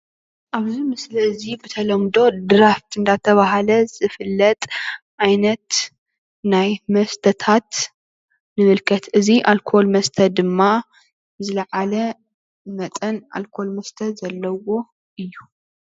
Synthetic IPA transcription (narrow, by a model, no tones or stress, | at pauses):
ʔaβzimɨslɐzibɨt̪ʰɐlɐmd̪o̞d̪ɨɾaft̪ʰɨnd̪at̪ʰɐβaɦalɐz̥ɨfɨlːɐt̪ʼʔajnɐt̪ | najmɐst̪ʰɐt̪ʰat̪ | nɨmɨlkʰɐt̪ʔɨziʔalkʰo̞lmɐst̪ʰɐd̪ɨmːa | zɨlɐʕalɐ | mɐt̪ʼɐnʔa̰lkʰo̞lmɐst̪ʰɐzɐlːɐwo̞ | ʔɨjːu